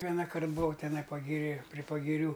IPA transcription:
ˈʋʲiɛnɐkɐrt bʊˈʋɐʊ tʲɛˈnɐɪ pɐɡʲɪˈrʲeː pʲrʲɪ pɐɡʲɪˈrʲuː

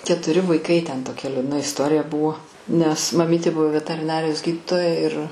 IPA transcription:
kʲɛtʊˈrʲɪ ʋɐɪˈkɐɪ tʲɛn toːˈkʲɛ lʲuːdˈnɐ ɪsˈtoːrʲɪjɛ ˈbʊʋoː nʲɛs mɐˈmʲiːtʲɪ ˈbʊʋoː ʋʲɛtɐrʲɪˈnɑːrʲɪjoːs ˈɡʲiːdʲɪtoːjɛ ɪr

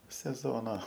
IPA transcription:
sʲɛˈzoːnɐ

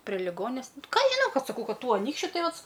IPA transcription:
pʲrʲiɛ lʲɪˈɡoːnʲɛs ˈkɑː ɐʃ ʒʲɪˈnɐʊ ˈkɐt sɐˈkɐʊ ˈkɐt ˈtuː ɐˈnʲiːkʃʲt͡ʃʲʊ ˈtɐɪ ˈʋɐt

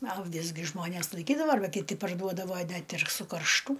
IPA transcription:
ɐ ɐˈʋʲɪs ɡʲɪ ˈʒmoːnʲeːs lˠɐɪˈkʲiːdɐʋɐ ɐrˈbɐ kʲɪˈtʲɪ pɐrˈduɔdɐʋoː ˈnʲɛt ɪr sʊkɐrʃˈtuː

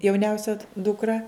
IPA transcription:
jɛʊˈnʲɛʊsʲɛ dʊkˈrɐ

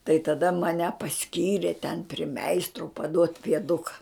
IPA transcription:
tɐɪ tɐˈdɐ mɐˈnʲɛ pɐˈsʲkʲiːrʲeː tʲɛn pʲrʲɪ ˈmʲɛɪstroː pɐˈduɔtʲ pʲiɛˈdʊkɐ

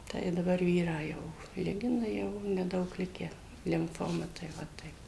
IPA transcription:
ˈtɐɪ ɪ dɐˈbɐr ˈʋʲiːrɑː ˈjɛʊ ˈlʲɪɡʲɪnɐ ˈjɛʊ nʲɛˈdɐʊk ˈlʲɪkʲæː lʲɪmˈfoːmɐ tɐɪ ˈʋɐ ˈtɐɪp

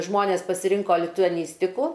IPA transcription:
ˈʒmoːnʲeːs pɐsʲɪˈrʲɪŋkoː lʲɪtʊɐˈnʲiːsʲtʲɪkʊ

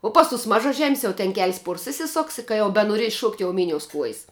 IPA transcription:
oː ˈpɐs ˌtʊs mɐʒɐˈʒʲɛmʲsʲ jɛʊ tʲɛn kʲɛlʲsʲ ˈpuɔrs ɪsʲɪˈsoːks ɪ kɐ ˈjɛʊ bʲɛnoːˈrʲiɛs ˈʃuɔktʲ jɛʊ ˈmʲɪnʲoːʊs ˈkuɔjs

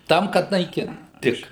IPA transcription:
ˈtɐm kɐt nɐɪˈkʲɪnt ˈtʲɪk

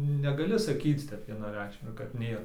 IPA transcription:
nʲɛɡɐˈlʲɪ sɐˈkʲiːt͡s ˈtʲɛp ʋʲiɛnɐˈrʲɛɪkʃʲmʲɛɪ kɐt ˈnʲeːr

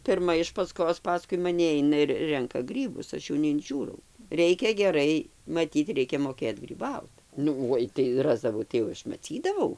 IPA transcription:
pʲɪrˈmɐ ɪʃ pɐˈskoːs pɐˈskʊɪ mɐˈnʲɪ ˈɐɪnɐ ɪr ˈrʲɛŋkɐ ˈɡrʲiːbʊs ˈɐʃ jɛʊ nʲɛɪnʲˈʒʲuːrɐʊ ˈrʲɛɪkʲɛ ɡʲɛˈrɐɪ mɐˈtʲiːt ˈrʲɛɪkʲɛ moːˈkʲeːt ɡrʲiːˈbɐʊt ˈnʊ ˈoːɪ tɐɪ ˈrɑːzdɐʋɐʊ tɐɪ jɛʊ ˈɐʃ mɐˈt͡sʲiːdɐʋɐʊ

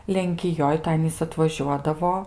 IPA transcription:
lʲɛŋʲkʲɪˈjoːj tɐɪ ˈɑːnʲiːs ɐtʋɐˈʒʲuɔdɐʋoː

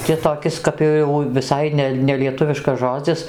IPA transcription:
tʲɪ toːˈkʲɪs kɐp joː jɛʊ ʋʲɪˈsɐɪ nʲɛ nʲɛlʲiɛˈtʊʋʲɪʃkɐs ˈʒoːd͡zʲɪs

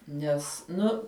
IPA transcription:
ˈnʲɛs ˈnʊ

